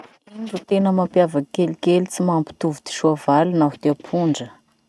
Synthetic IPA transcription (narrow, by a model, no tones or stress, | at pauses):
inɖ͡ʐut̪enəmampjavəkelikelit͡simampi̥t̪uvid̪̥i̥ʃuavalunaɦi̥d̪̥eapʰuɳɖ͡ʐə